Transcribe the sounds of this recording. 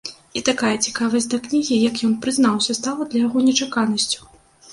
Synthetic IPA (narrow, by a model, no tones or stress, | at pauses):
it̪akajɐt͡sʲi̥kavɐsʲtʲd̪ɐknʲiɣʲijɐkjɔnpɾɨzn̪awsʲɐst̪alˠɐd̪lʲɐjaɣɔnʲɛt͡ʂakanɐsʲt͡sʲu̥